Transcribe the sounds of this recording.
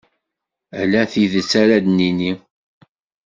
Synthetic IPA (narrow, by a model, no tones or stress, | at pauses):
ælæθiðət͡sːæɾæd̪nini